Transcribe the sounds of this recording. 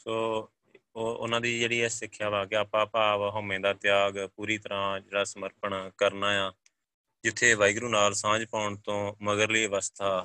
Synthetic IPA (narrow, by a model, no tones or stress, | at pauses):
soː | ʊ̰nãːd̪iːd͡ʒeːɽiːɛːsɪkʰːjaːʋaːkɪaːpãːpaːʋɦoːmẽːd̪aːt̪ɪjaːɡpuːɾiːt̪əɾãːd͡ʒeːɽaːsəməɾpəɳkəɾnaːjãː | d͡ʒɪt̪ʰːeːʋaːiɡɾũːnaːlsãːd͡ʒpaːʊɳt̪õːməɡəɾliːʋəst̪ʰaː